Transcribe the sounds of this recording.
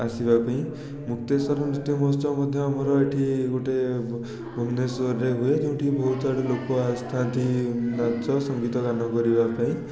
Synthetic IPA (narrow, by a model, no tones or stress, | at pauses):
asibapaĩ | muk̚t̪esɔɾɔnit̪imɔst̪ɔmɔd̪ʱjɔamɔɾɔeʈʰiɡoʈe | bʱumnesoɾːeɦuet̪eũʈʰibʱɔɦut̪aɽilokɔast̪ʰant̪inat͡ʃɔsɔŋɡit̪ɔɡanɔkɔɾibapaĩ